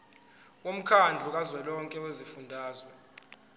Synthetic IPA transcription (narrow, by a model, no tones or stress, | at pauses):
wom̩kʰand͡ɮʱuk̬azwɛlɔŋkʼɛwezifundʱaːzwɛ